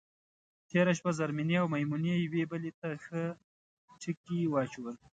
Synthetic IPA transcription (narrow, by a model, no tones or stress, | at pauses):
t̪eɾaʃpazaɾminiawmajmunejawebəlet̪axə | ʈ͡ʂikiwɑt͡ʃuwəl